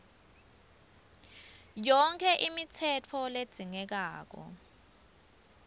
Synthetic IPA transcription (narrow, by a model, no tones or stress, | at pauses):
jɔŋkʰɛʔimit͡sʰɛtʰɔled̥ʱiŋɛk̬aːk̬ɔ̰